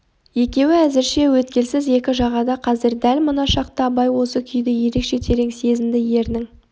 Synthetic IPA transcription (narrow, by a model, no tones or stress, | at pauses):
je̞kʲe̞wɪæzɪɾʃe̞wɵt̪kʲe̞lsɪzje̞kʲɪʒɑʁɑd̪ɑqʰɑzɪɾd̪ælmənɑʃɑqt̪ɑbɑjwo̞səkʲʰʏjd̪ɪje̞ɾe̞kʃe̞t̪ʰe̞ɾe̞ŋse̞zɪnd̪ɪje̞ɾnɪŋ